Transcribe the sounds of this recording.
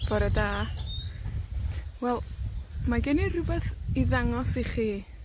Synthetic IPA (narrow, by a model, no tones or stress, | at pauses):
b̥ɔɾəda | wɛlˠmaɡɛnirʊbɛθiðaŋɔsiχiː